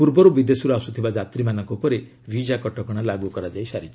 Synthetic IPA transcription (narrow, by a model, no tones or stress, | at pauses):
puɾbɔɾubid̪esuɾuasut̪ʰibad͡ʒat̪ɾimanɔŋkupɔɾe | bʱid͡ʒakɔʈɔkɔɽ̃alaɡukɔɾad͡ʒajsaɾid͡ʒʰ